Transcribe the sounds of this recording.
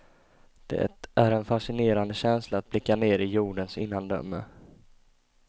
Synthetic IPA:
d̪̥ɛ̰æɾɛnfaʂɪneːɾand̪əɕɛnslaːt̪̚blɪkːaneːɾɪjuːɖənsɪ̰nːand̪œ̰mːə̰

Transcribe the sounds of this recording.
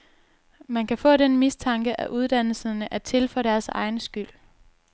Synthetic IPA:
mænkʰæfɔ̰̽ːɾenmist͡sʰɑ̈ŋɡ̥əʔæʔuð̞ˠd̥æn̰l̩sənəʔæt͡sʰe̝lfœd̥æɐsɑ̈ɪnəsɡ̥yl̰

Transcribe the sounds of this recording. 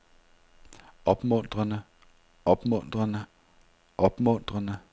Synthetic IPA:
ɒ̽b̥mɔn̰d̥ʁɐnə | ʔɒ̽b̥mɔn̰d̥ʁɐnə | ʔɒ̽b̥mɔ̽n̰d̥ʁɐnə

